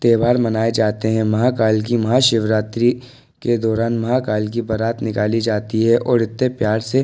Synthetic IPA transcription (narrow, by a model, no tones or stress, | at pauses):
t̪eːbaːɾmɐnaːed͡ʒaːt̪eɦɛ̃mɐɦakaːlk̬imɐɦaʃɪʋɾaːt̪ɾi | ked̪ɔːɾaːnmɐɦakaːlk̬ibɐɾaːt̪nɪkaːlid͡ʒaːt̪iɦɛʔɔːɾɪt̪ːepjaːɾse